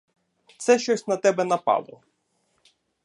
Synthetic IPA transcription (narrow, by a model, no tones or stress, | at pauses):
t̪sɛʃt͡ʃɔsʲnɐt̪ɛbɛnɐpɑ̰lˠɔ